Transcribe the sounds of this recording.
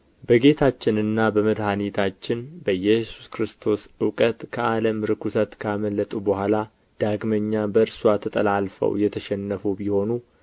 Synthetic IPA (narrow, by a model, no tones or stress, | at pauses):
bəɡe̞t̪ʰat͡ʃːɪnɨnːabəməd̪hanit̪ʰat͡ʃːɪnbəjɛsu̥skɾɨst̪ʰo̞sɨwkʼət̪kʰəʔaləmɾɨkusət̪kʰaməlːət̪ʼubəhʷala | d̪̥aɡməɲːabəɨɾswat̪ʰət̪ʼə̰lalfə̰wjɛt̪ʰəʃɛnːəfubiho̞nu